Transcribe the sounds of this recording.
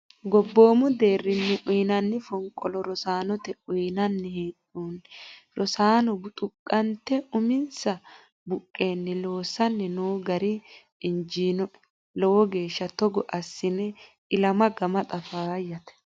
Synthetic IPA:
ɡɔbːo̞ːmʊd̪e̞ːrːɪnːɪʔʊjnɐnːɪfɔŋkʼɔlɔɾɔsaːnɔt̪ɛʊjnɐnːɛheᶑuːnɾɔsaːnɔbt̪ʼʊkʼːɐnt̪ːɛʊmɪnsɐ | bʊkʼːe̞ːnːɛlo̞ːsːɐnːɛnoːɡɐɾɪ | ɪnd͡ʒiːnɔʔ | lɔwɔɡe̞ːʃːɐt̪ɔɡɔʔɐsːɪnɛ | ɪlɐmɐɡɐmɐt̪ʼɐfaːjɐt̪ɛ̥

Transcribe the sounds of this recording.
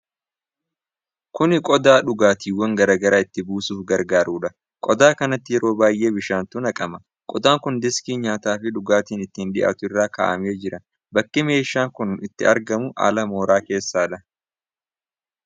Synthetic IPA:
kʊnɪkʼɔd̪aːᶑʊɡaːt̪iːwːɐŋɡɐɾaːɡɐɾaːɪt̪ːɪbuːsuːfɡɐɾɡaːɾuːᶑɐ | kʼɔd̪aːkɐnɐt̪ːɪjɛɾo̞ːbaːjʔe̞ːbɪʃaːnt̪ʊnɐkʼɐmɐ | kʼɔd̪aːŋkʊnd̪ɪskiːɲaːt̪aːfɪᶑʊɡaːt̪iːnɪt̪ːɪnᶑɪ̰ʔɐ̰t̪ʊɪrːaːka̰ːʔɐ̰me̞ːd͡ʒɪɾɐ | bɐkːɪme̞ːʃːaːŋkʊnɪt̪ːɪɐɾɡɐmʊʔa̰ːlɐmo̞ːɾaːke̞ːsːaːᶑɐ

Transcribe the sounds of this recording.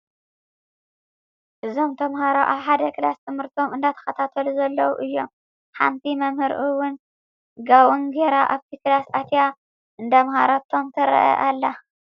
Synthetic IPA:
ʔɨzo̞mt̪ʰɐmhaɾoʔaβħad̪ɐkɨlast̪ʰɨmhɨɾt̪ʰo̞mɨnd̪at̪ʰɐ̥xɐt̪ʰat̪ʰɐluzɐlːɐwuʔɨjːom | ħa̰mt̪ʰimɐmhɨɾʔɨwʊn | ɡawunɡeɾaʔaβt̪ʰiklasʔat̪ja | ʔɨnd̪amhaɾat̪ʰo̞mt̪ʰɐɾɐ̰ʔɐ̰ʔalːa

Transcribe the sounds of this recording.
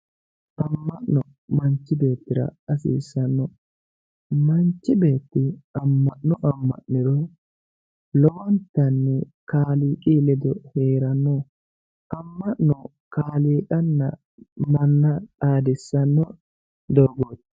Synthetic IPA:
ʔɐmːɐʔnɔ | mɐnt͡ʃːɪbe̞ːt̪ːɪɾɐ̰ɐsḭːsːɐnːɔ | mɐnt͡ʃːɪbe̞ːt̪ːɪɐmːɐʔnɔʔɐmːɐ̰ʔnɪɾɔ | lɔwɔnt̪ːɐnːɛkaːliːkʼilɛd̪ɔhe̞ːɾɐnːɔ | ʔɐmːɐʔnɔ | kaːliːkʼɐnːɐ̰ | mɐnːɐᶑaːd̪ɪsːɐnːɔ | d̪ɔɾɡoːt̪

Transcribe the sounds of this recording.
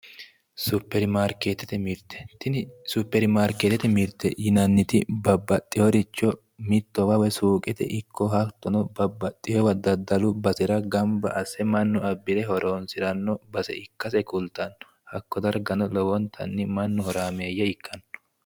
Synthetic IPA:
sʊpːɛɾmaːɾkeːt̪ːɛt̪ɛmɪɾt̪ɛ̥t̪ɪnɪsupːɛɾmaːɾkeːt̪ɛt̪ɛmɪɾt̪ːɛjɪnɐnːɪt̪ɪbɐbːɐt̪ʼːɪjɔɾɪt͡ʃːɔ | mɪt̪ːɔwɐwɛsuːkʼɛt̪ɛ̰ʔɪkʰːɔhɐt̪ːɔnɔbɐbːɐt̪ʼːɪjɔwɐd̪ɐd̪ɐlʊbɐsɪɾɐɡɐmbɐ̰ʔɐsːɛmɐnːʊɐbːɪlɛɦhɔɾʔoːnsɪɾɐnːɔbɐsɛ̰ɪkːɐsɛkʊlt̪ɐnɔ | hɐkːɔd̪ɐɾɡɐnɔlɔwɔnt̪ʰɐ̰nːɪmɐnːʊhɔɾaːmeːjːɐɪkʰːɐn

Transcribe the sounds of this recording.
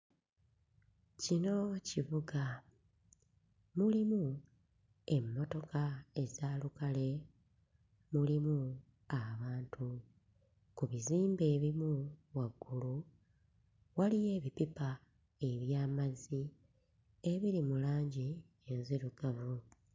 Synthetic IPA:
cino̞ciβuɡa | mulimu | e̞mːo̞to̞kae̞zaːlukale̞ | mulimu | aβaːntʰu | kuβiziːmbe̞ːβimuwaɡːulu | walije̞ːβipipa | e̞βjaːmazi | e̞βiɾimulaːɲɟi | enziɾuɡamu

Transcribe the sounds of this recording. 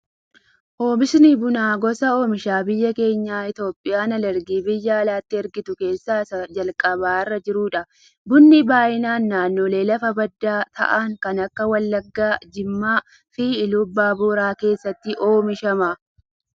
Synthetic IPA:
ʔoːmɪsnibʊnaːɡɔsɐoːmɪʃaːbɪjːɐke̞ːɲːaːɪt̪o̞ːpʼːɪjaːnɐlɐɾɡiːbɪjːɐɐlaːt̪ːɪɛɾɡɪt̪ʊke̞ːsːaːsɐd͡ʒɐlkʼɐβaːɪrːɐd͡ʒɪɾʊːᶑɐ | bʊnːɪbaːjɪnaːnːaːnːoːle̞ːlɐfɐbɐd̪ːaːt̪ʰɐ̰ʔaːŋkɐnɐkːɐwɐlːɐɡːaːd͡ʒɪmːaː | fiːɪlʊbːaːbuːɾaːke̞ːsːɐt̪ːɪʔo̞ːmɪʃɐmaː

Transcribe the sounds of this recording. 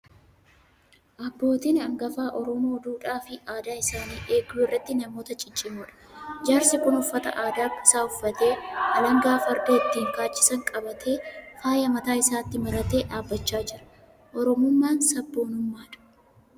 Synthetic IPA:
ʔɐbːo̞ːt̪iːnɐŋɡɐfaːʔɔɾɔmo̞ːd̪uːᶑaːfɪaːd̪aːɪsaːniːʔe̞ːɡuːɪrːɐt̪ːɪnɐmoːt̪ɐt͡ʃʼɪt͡ʃʼːɪmuːᶑɐ̥d͡ʒaːɾsɪkʊnʊfːɐt̪ɐ̰ʔaːd̪aːkːɐsaːʊfːɐt̪e̞ːɐlɐŋɡaːfɐɾdeːɪt̪ːiːŋkaːt͡ʃːɪ̥sɐŋkʼɐbɐt̪ʰe̞ːfaːjɐmɐt̪aːɪsaːt̪ːɪmɐɾɐt̪e̞ːᶑaːbːɐt͡ʃːaːd͡ʒɪɾɐ̥ | ʔɔɾɔmʊmːaːnsɐbːo̞ːnʊmːaːᶑɐ̥

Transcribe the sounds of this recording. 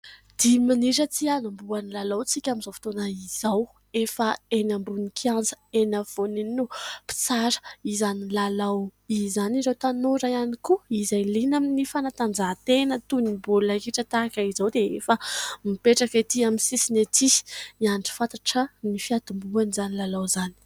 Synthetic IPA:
d̪̥iminiɾət͡sianambuanilalawt͡sikʲamizofi̥t̪onaiz̥aw | efəenambunikʰiand͡zə̥enav̥oninupi̥t͡saɾə̥izanilalawizanizawt̪anoɾaanikuizajlinaminifanat̪and͡zat̪enət̪unibullakiʈ͡ʂət̪aakəizawd̪eefəmipeʈ͡ʂakat̪iaminsisinet̪i̥iaɳɖ͡ʐi̥fat̪aʈ͡ʂənifiad̪imbuanizanilalawzani̥

